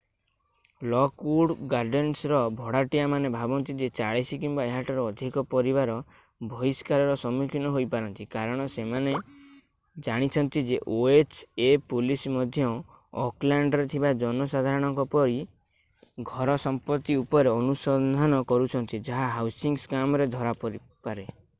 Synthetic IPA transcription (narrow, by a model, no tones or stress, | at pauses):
lɔkuɽɡaɾɖensɾɔbʱɔɽaʈijamanebʱabɔnt̪id͡ʒet͡ʃaɭesikimbaeɦaʈɔɾɔːd̪ʱikɔpɔɾiβaɾɔ | bʱɔiskaɾɔɾɔsɔmukʰinɔɦojpaɾɔnt̪ikaɾɔɽ̃ɔsemane | d͡ʒaɽ̃it͡ʃʰɔnt̪id͡ʒeʔoet͡ʃepulismɔd̪ʱjɔ | ɔklaɳɖɔɾet̪ʰibad͡ʒɔnɔsad̪ʱaɾɔɽ̃ɔŋkɔpɔɾi | ɡʱɔɾɔsɔmpɔt̪ːiupɔɾeɔnusɔnd̪ʱanɔkɔɾut͡ʃʰɔnt̪id͡ʒaɦaɦawsiŋskamɔɾed̪ʱɔɾapɔɾi | paɾe